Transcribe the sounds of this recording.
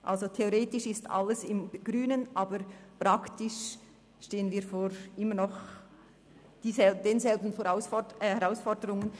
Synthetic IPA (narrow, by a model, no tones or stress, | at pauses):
ʔa̰lzotʰeoʁeːtɪʃɪsta̰lːəsɪmɡ̥ɾyːnənʔaːbəɾpɾaktɪʃ | ʃteːənviːɾfoːɾʔɪmːəɾnɔχ | d̥iːzɛd̥eːnzɛlbən̩fɛɾaʊsfɔhɛʁaʊsfɔɾdəɾʊŋən